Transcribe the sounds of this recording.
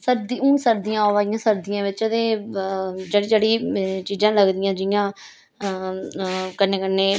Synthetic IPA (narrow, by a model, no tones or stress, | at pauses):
səɾd̪iũːsəɾd̪ijãːoːʋaːijãːsəɾd̪ijãːʋɪt͡ʃət̪ẽː | d͡ʒeːɽiːd͡ʒeːɽiːt͡ʃiːzãːləɡd̪ɪjãːd͡ʒɪjãː | kənːeːkənːeː